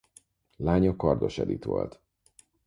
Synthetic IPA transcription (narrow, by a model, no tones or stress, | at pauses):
laːɲɒkɒrd̪o̞ʃɛd̪it̪ʋo̞̰lt̪